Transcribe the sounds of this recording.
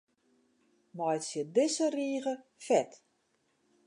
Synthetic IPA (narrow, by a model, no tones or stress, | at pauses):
mɔjtsjədɪsəriːəɣəfɛt